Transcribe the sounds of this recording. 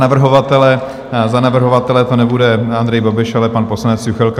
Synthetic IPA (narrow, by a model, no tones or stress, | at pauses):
navr̩ɦovat̪ɛlɛ | zanavr̩ɦo̞vat̪ɛlɛt̪o̞nɛbudɛand̪ɾɛjbabɪʃalɛpanpo̞slanɛt͡sjuxɛlk